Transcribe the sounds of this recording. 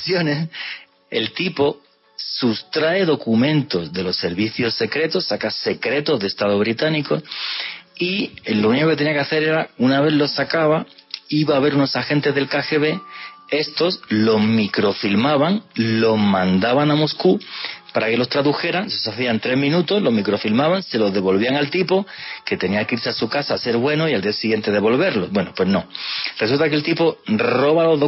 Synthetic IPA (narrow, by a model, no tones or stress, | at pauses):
sjo̞ne̞s | e̞̰lt̪ipo̞ | sust̪ɾae̞ðo̞kumẽnt̪o̞zðe̞lo̞sːe̞ɾβiθjo̞sːe̞kɾe̞t̪o̞sːakase̞kɾe̞t̪o̞zðest̪aðo̞β̞ɾit̪aniko̞ | ilouniko̞keenĩjakeaθeɾe̞ɾaunaβe̞ðlo̞sːakaβaiβaːβ̞e̞ɾuno̞saxent̪ezðe̞lkaxe̞βe̞e̞st̪o̞slo̞zmikɾo̞filmaβaŋlo̞mãnd̪aβaŋamo̞skupaɾake̞lo̞st̪ɾaðuxe̞ɾaŋsosaθiant̪ɾe̞ɦmĩnut̪o̞zlo̞ɦmikɾo̞filmaβaŋse̞lo̞zðe̞βo̞lβ̞iaŋalt̪ipo̞ke̞t̪e̞niaŋkiɾseasukasaːse̞ɾβwe̞no̞iald̪iasiɣje̞nt̪e̞ð̞e̞βo̞lβe̞ɾlo̞bwe̞no̞pwe̞znõ̞r̥e̞sult̪ake̞lt̪ipo̞ro̞βalo̞zðo